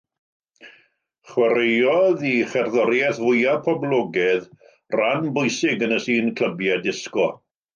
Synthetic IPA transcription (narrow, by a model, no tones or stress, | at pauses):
χwɛɾejɔðiχɛrðɔɾjɛθvʊjapʰɔblˠɔɡɛð | ranbʊjsɪɡənəsiːnkʰl̥ˠəbjadɪskɔ